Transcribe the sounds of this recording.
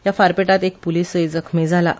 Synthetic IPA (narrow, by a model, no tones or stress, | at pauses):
jafaɾpeʈat̪ek̚puliːsəjd͡zəkʰmed͡zʱala